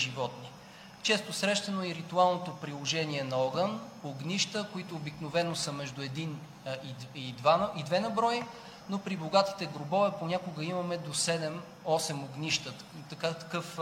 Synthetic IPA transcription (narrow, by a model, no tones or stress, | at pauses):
ʒivɔt̪ni | t͡ʃɛst̪osɾɛʃt̪ɐnoɛɾit̪ualˠnot̪opɾilˠoʒɛniɛnɐɔɡənoɡniʃt̪əkoit̪oːbiknovɛnosəmɛʒd̪ʊɛd̪in | iid̪vanɐid̪vɛnɐbɾɔji | nopɾiboɡat̪i̥t̪ɛɡɾobɔvɛponʲakoɡəimɐmɛd̪osɛd̪ɛm | ɔsɛmoɡnʲiʃt̪ə | t̪ɐkat̪ɐ̥kɤf